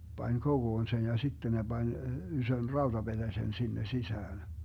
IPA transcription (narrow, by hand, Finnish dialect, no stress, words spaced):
pɑnʲ koɡ̊oːn sen jɑ sitːen ne b̥ɑnʲ ysøn rɑud̥ɑb̥ed̥æsen sinːe sisæːn